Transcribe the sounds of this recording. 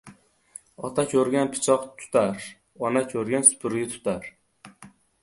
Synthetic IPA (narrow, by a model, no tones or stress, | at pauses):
ɒt̪ʰakʲʰɵɾɡʲanpʰɪ̥t͡ʃʰɒqt̪ʰʊ̥t̪ʰaɾ | ɒnakʲʰɵɾɡʲansʊ̥pʰʊɾɡʲat̪ʰʊ̥t̪ʰaɾ